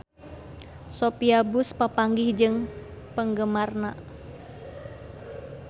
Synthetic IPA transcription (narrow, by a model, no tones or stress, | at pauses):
sopiabuspapaŋɡɪhd͡ʒɨŋpəŋɡəmarna